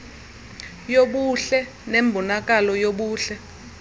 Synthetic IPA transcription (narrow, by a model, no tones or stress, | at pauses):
joɓuɬɛ | nembʱunak̬alɔjoɓuːɬɛ